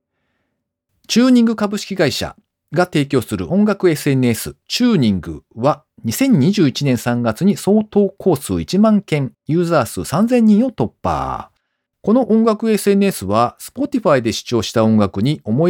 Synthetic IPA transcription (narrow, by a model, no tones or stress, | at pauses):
t͡ɕɨːɲ̟ĩŋɡɯ̟kabɯ̟ɕi̥kʲiɡaiɕa̰ | ɡat̪e̞ːkʲo̞ːsɨɾɯ̟̰ʔõ̞ŋɡakɯ̟e̞sɨe̞nɯesɨ̰t͡ɕɨːɲ̟ĩŋɡɯ̟βa | ɲ̟isẽ̞ɲ̟ɲːiʑɨːit͡ɕinẽ̞ɰ̃sãŋɡat͡sɨɲ̟iso̞ːt̪o̞ːkʰo̞ːsɨ̰ːit͡ɕimãŋkẽ̞ŋjɯ̟ːzaːsɨsãnzẽ̞ɲ̟ːĩɰ̃o̞t̪o̞pːa̰ː | ko̞no̞ʔõ̞ŋɡakɯ̟e̞sɨe̞nɯ̟e̞sɨβasɨ̥po̞t̪ʲiɸaid̪e̞ɕi̥t͡ɕo̞ːɕi̥t̪aõ̞ŋɡakɯ̟ɲ̟io̞mo